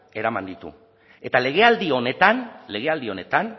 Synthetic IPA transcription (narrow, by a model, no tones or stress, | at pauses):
e̞ɾama̰nd̪it̪ṵ | e̞t̪ale̞ɣ̞e̞ald̪io̞ne̞t̪anle̞ɣ̞e̞ald̪io̞ne̞t̪an